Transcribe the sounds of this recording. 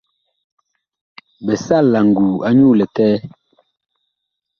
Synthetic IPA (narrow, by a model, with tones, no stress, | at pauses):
bɛ˨sa˦˨lːa˨ŋ̩˨ɡu˨a˦ɲu˦˨lɛ˨tɛː˦